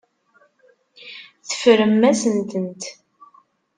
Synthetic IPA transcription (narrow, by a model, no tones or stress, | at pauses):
θə̥fɾəmːæsənt̪ənt̪